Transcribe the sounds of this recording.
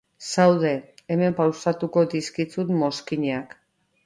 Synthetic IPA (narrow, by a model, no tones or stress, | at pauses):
sawðe̞eme̞mpawsat̪uko̞d̪iskit͡sut̪mo̞skiɲeak